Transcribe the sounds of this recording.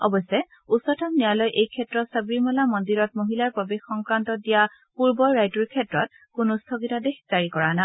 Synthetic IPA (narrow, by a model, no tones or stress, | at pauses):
ɔ̰bɔsɛ | usɔtʰamnijalɔjʔejkʰɛtɹɔsabimɔlamɔndiɹɔt̚moɦilaɹpɔbexːɔŋkɹantɔdija | puɹbɔjɹajtuɹkʰɛtɹɔt̚ | kʊnʊstʰɔɡitadexz̥aɹikɔɹana